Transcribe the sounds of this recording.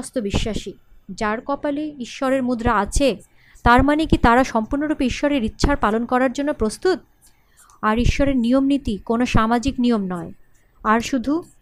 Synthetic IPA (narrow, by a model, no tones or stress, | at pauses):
ɔst̪obiʃːaʃi | d͡ʑaɾkɔpaliiʃːoɾeɾmud̪ɾaat͡ɕʰe | t̪aɾmanekit̪aɾaʃɔmpuɾnoɾupeiʃːɔɾeɾit̪ːɕʰaɾpalonkɔɾaɾd͡ʑonːopɾost̪ut̪̚ | aɾiʃːɔɾeɾnijomnit̪ikonoʃamad͡ʑiknijomnɔe | aɾʃud̪ʱu